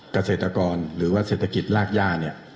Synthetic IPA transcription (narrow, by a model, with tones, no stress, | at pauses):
ka˧seː˨˩t̪ɾa˧kɔː˧nɾɯː˩˦waː˥˩seː˨˩t̪ʰːa˧ki˨˩t̪̚laː˥˩k̚jaː˥˩ni˥˩ɐ